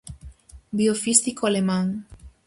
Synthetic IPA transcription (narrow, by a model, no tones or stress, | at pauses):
biofist̪ikoalemãŋ